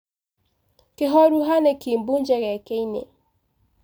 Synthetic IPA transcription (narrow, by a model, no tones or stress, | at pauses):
kɪɦɔɾuɦanɛkimbuɲd͡ʒɛɣɛkeinḛ